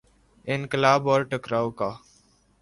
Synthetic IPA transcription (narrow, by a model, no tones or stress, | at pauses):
ɪ̃nkɪlaːbɔːɾʈəkɾaːwkaː